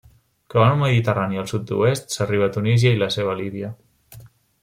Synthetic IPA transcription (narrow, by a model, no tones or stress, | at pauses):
kəβanəlˠməðit̪əraniəlˠsut̪̚d̪ṵest̪səriβ̞əːt̪uniziəiləseβ̞əliβiə